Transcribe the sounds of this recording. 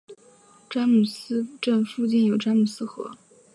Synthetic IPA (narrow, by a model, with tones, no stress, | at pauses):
ʈ͡ʂa˥mu˨˩sɹ̩˥ʈ͡ʂə˥˧nfu˥˧t͡ɕi˥˩njo˨˩ʊʈ͡ʂa˥mu˨˩sɹ̩˥xɤ̰˧˥